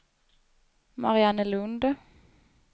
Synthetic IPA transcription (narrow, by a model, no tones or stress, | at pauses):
ma̰ɾɪanəlɵnd̪ə